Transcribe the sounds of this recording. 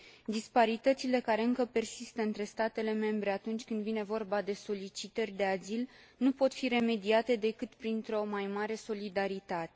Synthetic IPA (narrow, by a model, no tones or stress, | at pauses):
d̪ispaɾit̪ət̪sile̞kaɾe̞ɨŋkəpe̞rsist̪əɨnt̪ɾe̞st̪at̪e̞le̞me̞mbɾe̞at̪unt͡ʃʲkɨnd̪vine̞vo̞rbad̪e̞so̞lit͡ʃit̪ərʲd̪e̞azil | nupo̞t̪fiɾe̞me̞d̪iat̪e̞d̪e̞kɨt̪pɾint̪ɾo̞majmaɾe̞so̞lid̪aɾit̪at̪e